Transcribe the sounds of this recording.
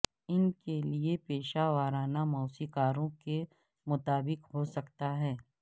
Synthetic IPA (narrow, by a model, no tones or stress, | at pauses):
ɪnkeliepeːʃaʋaːɾaːnamɔːsikaːɾõke | mʊt̪aːbɪqɦosɐkt̪aɦɛː